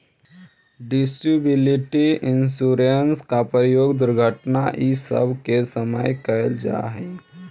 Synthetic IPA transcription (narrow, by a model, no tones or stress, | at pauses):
ɖɪsʈibɪlɪʈiɪ̃nsuɾənskapəɾɪjoːɡd̪ʊɾɡʱəʈnaʔisə̰bʱkesəməjkəld͡ʒa̰ɦɛː